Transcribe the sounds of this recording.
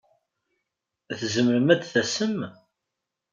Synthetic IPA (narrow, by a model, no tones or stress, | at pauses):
θzəməɾəmæd̪θæsəm